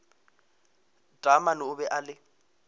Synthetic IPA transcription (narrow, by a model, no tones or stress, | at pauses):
d̥ʱʼamanʊʊbɛʔalɪ